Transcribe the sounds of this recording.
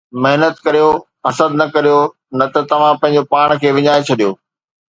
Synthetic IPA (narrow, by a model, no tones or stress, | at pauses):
mɪɦnət̪kɐɾijo | ɐsəd̪nɐkɐɾijo | nɐt̪ɐt̪ɐʋ̤ãpɐ̃ɦɪ̃ɲ̆d͡ʑopaːɽ̃kʰeːʋɪɲaːet͡ɕʰɐɗijoː